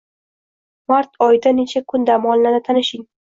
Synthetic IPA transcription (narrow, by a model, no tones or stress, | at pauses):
maɾt̪ʰɒjɪd̪ane̞t͡ʃʰakʰʊnd̪amɒnlanɪt̪ʰanɪʃɪŋ